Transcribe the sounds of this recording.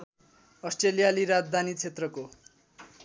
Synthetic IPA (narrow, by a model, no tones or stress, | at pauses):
ʌsʈrelijaliɾad͡zd̪ʱanit͡sʰet̪rʌko